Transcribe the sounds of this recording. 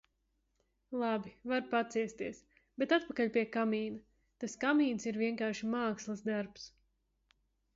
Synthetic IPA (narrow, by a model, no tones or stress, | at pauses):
lˠabivaɾpat̪siɛst̪iɛs | b̥et̪at̪̚pakaʎʲpʲiɛkamiːnɐ | t̪askamiːnsiɾviɛŋkaːɾʃimaːkslˠasd̪aɾps